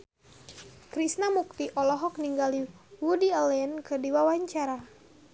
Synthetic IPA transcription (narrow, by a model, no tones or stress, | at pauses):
kɾisnamuk̚t̪iʔɔlɔɦɔk̚niŋɡaliwudiəlɛənkərdiwawaɲt͡ʃaɾa